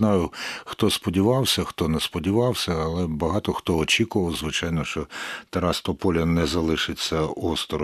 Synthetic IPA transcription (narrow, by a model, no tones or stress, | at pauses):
nɑjʊxt̪ɔspɔdʲiʋɑwsʲɐxt̪ɔnɛspɔdʲiʋɑwsʲɐːlˠɛbɐɦɑt̪ɔxt̪ɔɔt͡ʃʲikʊʋɐwzʋɪt͡ʃɑjnɔʃt͡ʃɔt̪eɾast̪ɔpɔlʲɐnɛzɐlˠɪʃɪt͡sʲːɐɔst̪ɾɔ